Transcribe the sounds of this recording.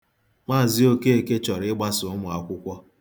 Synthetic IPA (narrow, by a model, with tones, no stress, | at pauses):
ma˦˨zɪ˦o˦ke˦e˨ke˦t͡ʃɔ˨ɾɪ˦ɡ͡ba˦sʊ˨ʊ˦mʊ˨a˨kʷʊ˦kʷɔ˦